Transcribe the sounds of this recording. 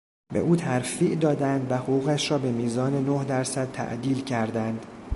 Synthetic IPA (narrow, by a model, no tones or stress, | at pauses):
bḛʔuːt̪ʰæɾfiːʔd̪ɒːd̪ænd̪væhoɣuːɣæʃɾɒːbe̞miːzɒːne̞nohd̪æɾsæd̪̚t̪ʰæ̰ʔd̪iːlcʰæɾd̪ænd̪̥